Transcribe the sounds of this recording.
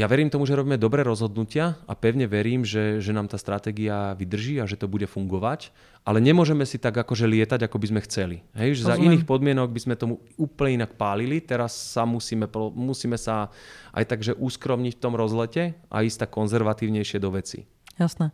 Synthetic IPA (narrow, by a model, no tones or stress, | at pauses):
jaʋɛɾiːmt̪ɔmuʒɛɾɔbiːmɛd̪ɔbɾɛːɾɔzɦɔd̪nucɪaapɛʊɲɛʋɛɾiːmʒɛʒɛnaːmt̪aːst̪ɾat̪ɛːɡiaʋid̪r̩ʒiːaʒɛt̪ɔbuɟɛfuŋɡɔʋac | ʔalɛɲɛmʊɔʒɛmɛsit̪aɡakɔʒɛlɪɛt̪aɟakɔbizmɛxt͡sɛliɦɛjʒɛzainiːxpɔd̪mɪɛnɔɡbizmɛt̪ɔmuuːpl̩ɲɛinak̚paːlilit̪ɛɾasːamusiːmɛpɔmusiːmɛsaʔa̰jt̪aɡʒɛʔuskɾɔmɲicft̪ɔmɾɔzlɛcɛʔa̰ist̪akɔnzɛɾʋat̪iːʊɲɛjʃɪɛd̪ɔʋɛt͡sḭ | jasnɛ